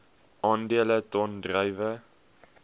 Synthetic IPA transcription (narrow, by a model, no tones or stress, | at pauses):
ʔɑːndiələtɔndrəjvə